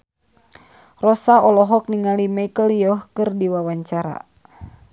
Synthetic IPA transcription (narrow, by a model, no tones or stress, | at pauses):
rɔsaɔlɔɦɔk̚niŋalimajkəljɔhkɨrdiwawaɲt͡ʃaɾa̰